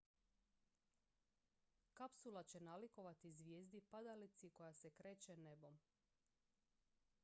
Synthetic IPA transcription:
kapsulˠat͡ɕenaliko̞ʋat̪izʋjeːzd̪ipad̪alit̪siko̞jasekɾeːt͡ɕene̞bo̞m

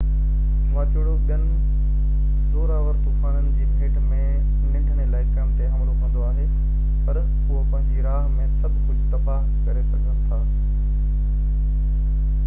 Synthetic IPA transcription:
mãːt͡ɕʊɽoɓənɪ̆ | ɗ̪oːɾaːʋəɾt̪uːfaːnənɪ̆d͡ʑiːbʱeːʈmẽ | nɪ̃ɖʱənelaːɪkɐmt̪eɦɐmɾoʋə̃n̆d̪oaːɦe | pɐɾ | ɦʊɦopɐ̃ɦɪ̃ɲd͡ʑiɾaːɦmẽsɐbʱkʊd͡ʑʱt̪ɐbaːɦ | kɐɾesɐɡʱənɪt̪ʰaː

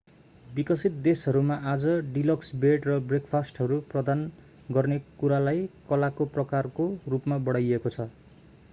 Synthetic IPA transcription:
bikʌsit̪̚d̪esɦʌɾumaʔad͡zʌɖilʌksbeʈrʌbrekʰpʰasʈɦʌɾuprʌd̪an | ɡʌrnekuɾalajkʌlakoprʌkarkorupmabʌɽajekot͡sʰʌ

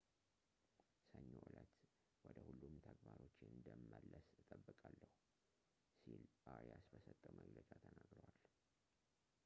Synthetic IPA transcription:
səɲːowʔlət̪ | wɔd̪əhulːumt̪ʰəɡbaɾo̞t͡ʃːɪnɨnd̪əmːəlːəsɨt̪ʼəbːɨkʼalːəhu | silbawjasbəsət̪ʼːəməɡlət͡ʃʼat̪ʰənaɡɾəwal

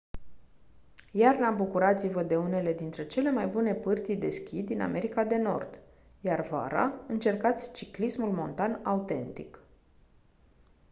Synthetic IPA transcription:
jarnabukuɾat̪sivəd̪e̞une̞le̞d̪int̪ɾe̞t͡ʃe̞le̞majbune̞pɨrt̪id̪e̞skʲid̪ina̰mʔe̞ɾikad̪e̞no̞̰rd̪̥ | jarva̰ɾa̰ɨnt͡ʃe̞rkat̪sʲt͡ʃiklismulmo̞nt̪anaut̪e̞nt̪ḭk

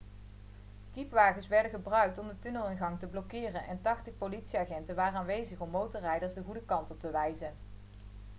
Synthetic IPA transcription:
kipʋaːχənsʋɛɹdənχəbrœɥk̚tɔmdətɵnəlˠɪnɣɑŋtəblɔkɪːrənʔɛntɑχtəχpolitsiaːχɛntəʋaːrənaːnʋejzəχɔmːowtɔɹrɛjdəɹsdəχudəkɑntɔp̚təʋɛjzən

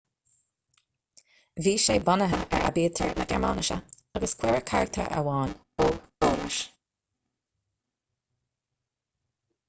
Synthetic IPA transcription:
viːʃeːbanəɦəʔɛɹa̰biːtʰə̰ɹnəɡɛ̰ɹma̰ːnɪʃə̰ | aɡəskʰw̥ɛɹəkʰa̰ɹək̚t̪ʰə̰ɹʔə̰wɑːn | oːboːnɪ̰ʃ

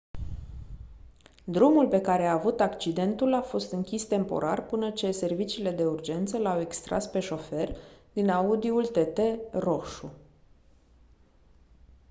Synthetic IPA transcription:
d̪ɾumulpe̞kaɾe̞aːvut̪akt͡ʃid̪e̞nt̪ulafo̞st̪ɨŋkʲist̪e̞mpo̞̰ɾʔarpɨnət͡ʃe̞se̞rvit͡ʃiːle̞d̪e̞urd͡ʒe̞nt̪səlawe̞kst̪ɾʔa̰spe̞ʃo̞fe̞rd̪inaud̪iult̪e̞t̪e̞ro̞ʃu

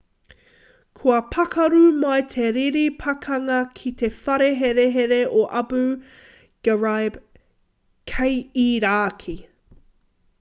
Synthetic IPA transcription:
kʰuɐpʰɐkɐɾumɐjt̪ʰeɾiɾipʰɐkʰɐŋɐkʰit̪e̞fɐɾeɦeɾeɦeɾeoʔɐbʉ | ɡ̥əɹajb | kʰejiɾaːkʰi

